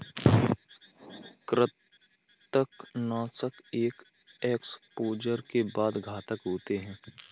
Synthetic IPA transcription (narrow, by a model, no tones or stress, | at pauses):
kɾɪt̪ | əknɔːsəkeːk | eːkspoːd͡ʒəɾkebaːd̪ɡʱaːt̪əkɦoːt̪eɦɛ̃ː